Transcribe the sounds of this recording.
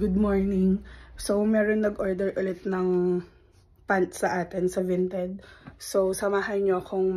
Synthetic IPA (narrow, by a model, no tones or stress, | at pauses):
ɡʊd̪̚moɹnɪŋso̞wmɛːɾoŋnɐɡʔoɹd̪ɛɹʔʊlɪt̪nɐŋ | pant̪sɐʔaːt̪ɛnsɐvɪnt̪ɛd̪̚so̞wsɐmaːɦɐjɲoʔɐkoŋm